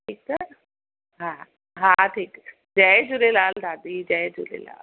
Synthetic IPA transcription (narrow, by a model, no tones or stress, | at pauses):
ʈʰiːk̚t̪ə | ɦãː | ɦãʈʰiːk | d͡ʒɛed͡ʒʊɾelaːld̪aːd̪id͡ʒɛd͡ʒṵlḛla̰ːl